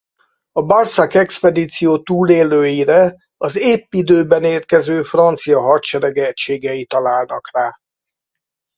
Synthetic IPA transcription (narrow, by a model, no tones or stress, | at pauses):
ɒbɒrsakɛkspɛd̪iːt̪sijoːt̪uːleːløːjiɾɛ | ɒzeːpːid̪øːbɛneːrkɛzøːfrɒnt̪sijɒɦɒrt̪t͡ʃɛɾɛɡɛɛct͡ʃeːɡɛit̪ɒlaːlnɒkraː